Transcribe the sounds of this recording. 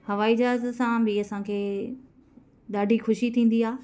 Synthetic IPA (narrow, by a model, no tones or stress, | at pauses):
hɐʋaːid͡ʑaːzsãbɪɐsãkʰeː | ɗ̪aːɖʱixʊʃit̪ʰĩːn̆d̪iaː